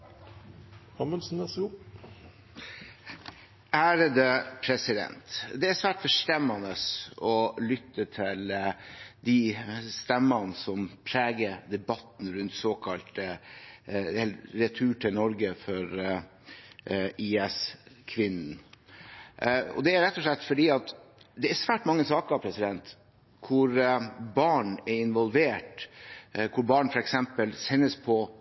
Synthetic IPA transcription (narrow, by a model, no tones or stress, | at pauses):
ɑməlsn̩ɛsʊ | ʔæːɾəd̪ɛpʰɾɛsɪd̪ɛ̰nt̪d̪ɛæsʋæːʈfɔʂt̪ɛmːɑnəsɔlʏt̪ːət̪ʰɪl | d̪ɪst̪ɛmːənsɔmpʰɾeːɡəd̪ɛbɑt̪n̩ɾʉnt̪soːkʰɑlt̪ | ɛlɾɛt̪ʰʉːʈʰɪlnɔɾɡəfɔɾ | ʔiːɛskʰʋɪnn̩ | ɔ̰d̪ɛæɾɾɛt̪ːɔʂlɛt̪ːfɔɖiːɑt̪d̪ɛæɾsʋæːʈmɑŋːəsɑːkəɑpʰɾɛsɪd̪ɛnt̪ | kʰʊɾbɑːɳɛɪnʋɔlʋeːʈ | kʰʊɾbɑːɳfɔɾɛksɛmpəlsɛnːəspʰɔ